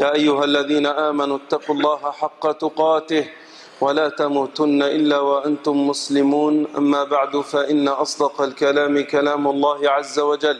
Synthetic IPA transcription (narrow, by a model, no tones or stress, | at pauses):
jaːʔajːʊɦalːaðiːnaʔaːmanuːt̪ːɑqulˤːɑːɦaħɑqːɑt̪ʊqɑːt̪ɪh | walaːt̪amuːt̪ʊnːaʔɪlːaːwaʔant̪ʊmːʊslɪmuːnʔa̰mːaːbaʕd̪ʊfaʔɪnːaʔɑsˤd̪ɑqɑlkalaːmɪkalaːmʊlˤːɑːhɪʕazːawad͡ʒalː